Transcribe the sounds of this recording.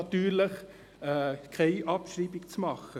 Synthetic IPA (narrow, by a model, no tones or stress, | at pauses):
ɑt̪yːɾləχ | kʰæɪʔɑpʃɾiːbɪkt͡smɑχə